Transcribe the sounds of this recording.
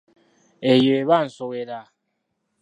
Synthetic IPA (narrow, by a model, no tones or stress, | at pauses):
ejeeβan̩soweɾa